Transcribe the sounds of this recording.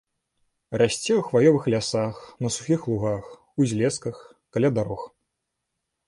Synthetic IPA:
rasʲt͡sʲɛwxvajɔvɨxlʲasaxnɐsu̥xʲixlˠuɣax | uzʲlʲɛskɐx | kalʲad̪aɾɔx

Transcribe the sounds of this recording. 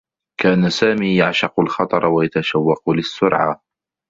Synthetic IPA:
kaːnasaːmiːjaʕʃɑqʊlxɑt̪ˤɑɾˤwajat̪aʃawːɑqʊlɪsːʊɾʕa̰

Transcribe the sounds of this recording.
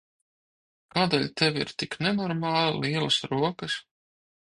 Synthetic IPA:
kaːd̪ɛːlʲt̪ɛʋḭɾt̪iknɛnɔɾmɑːlˠliɛlˠɐsɾuɔkəs

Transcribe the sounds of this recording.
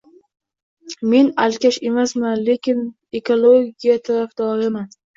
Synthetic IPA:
me̞nalkʲaʃe̞masmanle̞kʲɪn | e̞kʰolˠoɡʲijat̪ʰaɾafd̪̥ɒɾɪman

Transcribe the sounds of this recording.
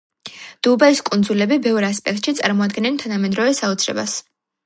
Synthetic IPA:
d̪̥ubaiskʼund̪zulɛbibɛvɾaspʼɛk̚t̪ʼʃit̪sʼaɾmɔad̪ɡɛnɛnt̪ʰanamɛd̪ɾɔvɛsaut̪sʰɾɛ̰bas

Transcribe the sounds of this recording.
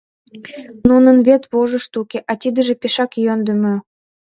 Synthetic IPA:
nunənβet̪βoʒə̆ʃt̪ukʲeʔɑt̪ʲid̪ə̆ʒĕpeʃɑkjønd̪ə̆mø̆

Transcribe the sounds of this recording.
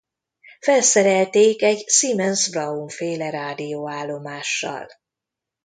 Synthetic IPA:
fɛlsɛɾɛlt̪eːkɛɟsimɛnsbrɒuɱfeːlɛɾaːd̪ijoːaːlːo̞maːʃːɒ̰l

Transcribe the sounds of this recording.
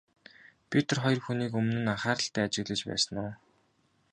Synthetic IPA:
pʰit̪ʰə̆rχɔjɞrxuniːkɵmnɘ̆naχaːɾə̆ɬt̪æːat͡ɕɪ̆ɣɮɘ̆t͡ɕpæ̰ːsə̆nʊː

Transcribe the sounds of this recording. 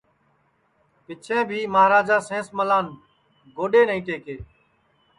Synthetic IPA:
pɪt͡ʃʰẽːbʱiːmaɦɾaːd͡ʒaːsẽːsməlaːn | ɡoːɗeːnəĩːʈ̪eːkeː

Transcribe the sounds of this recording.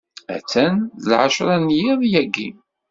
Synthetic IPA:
æ̰t͡sːænðlʕaʃɾˤɑnjiðˤjæɡːḭ

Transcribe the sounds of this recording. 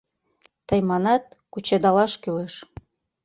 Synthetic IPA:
t̪ɤjmɑnɑt̪̚kut͡ɕed̪ɑlɑʃkyleʃ

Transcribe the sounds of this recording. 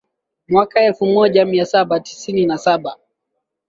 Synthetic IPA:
mwakaɛlfumɔʄamiasaɓati̥sininasaɓa

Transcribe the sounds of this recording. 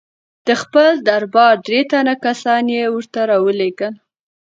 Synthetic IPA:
d̪̥əxpəld̪aɾbɑɾd̪ɾet̪anakasɑnjewəɾt̪aɾɑwəleɡən

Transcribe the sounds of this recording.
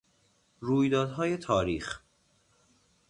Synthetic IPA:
ɾuːjd̪ɒːd̪ɦɒːje̞t̪ʰɒːɾiːx

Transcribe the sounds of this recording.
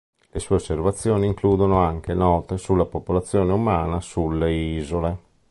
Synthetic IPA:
lesuːeosːervat̪sːjoːniːŋkluːd̪onoaŋkenɔːt̪esulːapopolat̪sːjoːneumaːnasulːeiːzole

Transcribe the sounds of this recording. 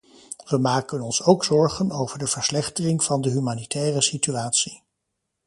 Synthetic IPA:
ʋəmaːkənɔnsowksɔɹχənowv̥əɹdəv̥əɹslɛχtərɪŋv̥ɑndəɦymaːnitʰɛːrəsityaːtsi

